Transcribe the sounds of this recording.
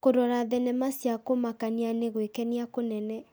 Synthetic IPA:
koɾɔɾaðɛnɛmasjakomakanianeɣwekɛniakonɛnɛ

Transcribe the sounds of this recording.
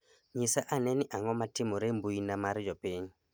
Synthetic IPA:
ɲisaʔanɛnɪʔaŋɔmatɪmoɾembuinamaɾd͡ʒɔpiɲ

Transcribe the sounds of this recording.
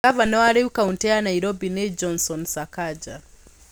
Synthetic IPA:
avanɔaɾiwukauntɛanaiɾɔbinɛd͡ʒɔnsɔnsakad͡ʒa

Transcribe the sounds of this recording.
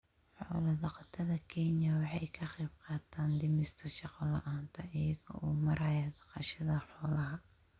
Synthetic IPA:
ħɔ̰ːlɐd̪ɑqɑt̪ʰɐðɐkʰɛɲjɐwɑħɑjkʰɐqɛjb̚qɑːt̪ʰaːnd̪ɪmɪst̪ʰɐʃɑqɔlɐ̰ʔaːnt̪ʰɐʔɪjɐɣɔ̰ʔuːmɐɾɐjad̪ɑqɑʃɐðɐħɔːlɐɦɐ

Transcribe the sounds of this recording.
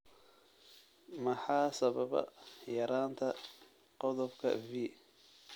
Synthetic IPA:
mɑħɑːsɐβɐβɐ̰jɐɾaːnt̪ʰɐ | qɔðɔbkʰɐ̰viː

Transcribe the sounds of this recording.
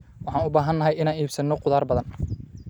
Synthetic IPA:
wɑħɑːnʊbaːɦɐnːɐɦɛjɪnaːniːbsɐnːɔqʊðaːrbɐðɐn

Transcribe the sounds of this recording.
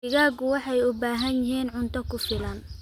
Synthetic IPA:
ɪɣaːɡʊwɑħɑjʊbaːɦɐnjɪɦiːnʕʊnt̪ʰɔkʰʊfɪlɐn

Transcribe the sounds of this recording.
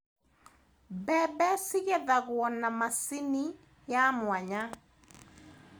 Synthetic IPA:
bɛbɛsiɣɛðaɣwɔnamasini | jamwaɲa

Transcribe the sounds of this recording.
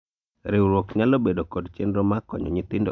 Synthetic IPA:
ɾɪwɾwokɲalobedokɔdt͡ʃendɾomakɔ̰ɲɔ̰ɲɪt̪ɪndo̰

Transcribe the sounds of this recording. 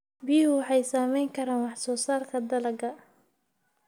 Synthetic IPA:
biɦʊwɑħɑjsaːmɛjŋkʰɐɾaːnwɑħsɔːsaːrkʰɐd̪ɐlɐɡɐ

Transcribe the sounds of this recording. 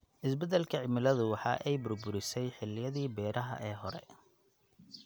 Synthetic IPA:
ʔɪsbɛd̪ɛlkʰɐʕɪmɪlɐðʊwɑħɑ̰ːʔɛjbʊrbʊɾɪsɛjħɪlɪjɐðiːbɛːɾɐɦɐ̰ʔɛːɦɔɾɛ̰

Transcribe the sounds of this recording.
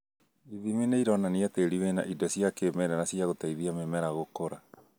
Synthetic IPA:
iðimineiɾɔnaniateɾiwena̰ʔidɔsijakemɛɾanasiaɣotaiðiamemɛɾaɣokoɾa

